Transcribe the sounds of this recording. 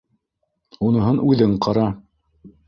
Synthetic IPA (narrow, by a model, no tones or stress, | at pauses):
unɤ̆ɦɤnʔʉðɘɴqɑɾɑ